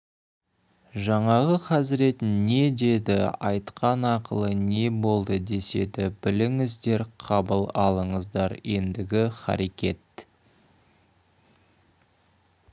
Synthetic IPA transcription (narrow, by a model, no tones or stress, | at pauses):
ʒɑɴɑʁəqʰɑzɪɾe̞t̪nnːe̞d̪e̞d̪ɪɑjt̪qʰɑnɑqəlˠəne̞bo̞lˠd̪əd̪e̞se̞̰d̪ɪbɪlɪŋɪzd̪e̞ɾqʰɑbəlˠɑlˠəɴəzd̪ɑɾje̞nd̪ɪɡʲɪχɑ̰ɾekʲe̞t̪